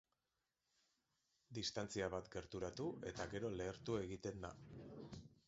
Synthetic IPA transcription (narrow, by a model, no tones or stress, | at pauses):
d̪ist̪ant͡siaβat̪ɡe̞ɾt̪uɾat̪ue̞t̪aɣe̞ɾo̞le̞ːɾt̪ue̞ɣit̪e̞nd̪a̰